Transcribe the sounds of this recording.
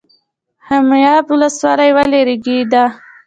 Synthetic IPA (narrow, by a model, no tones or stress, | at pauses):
hamjɑbʊləswɑlajwaleɾeɡid̪a